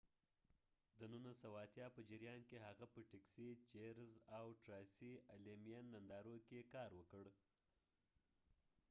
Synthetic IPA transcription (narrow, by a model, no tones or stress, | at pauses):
d̪ənunasawaat̪jɑpəd͡ʒɪɾjɑnkeɦaɣapəʈeksit͡ʃeɾzawʈɾɑjsialemijanːand̪ɑɾokekɑɾwəkəɽ